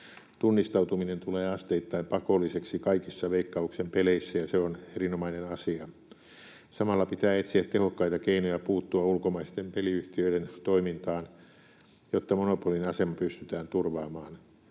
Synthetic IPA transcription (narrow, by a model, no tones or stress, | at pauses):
t̪unːist̪ɑut̪uminent̪uleːɑst̪eit̪ːɑimpɑkolːˑiseksikɑikisːɑʋeikːɑuksempeleisːæjɑseonerinomɑinenɑsiɑ | sɑmɑlːɑpit̪æːet̪siæt̪tehokːɑit̪ɑkeinojɑpuːt̪ːuɑulkomɑist̪empeliyht̪iøiɾent̪oimint̪ɑːn | jot̪ːɑmonopolinɑsemɑpyst̪yt̪æːnt̪urʋɑːmɑːn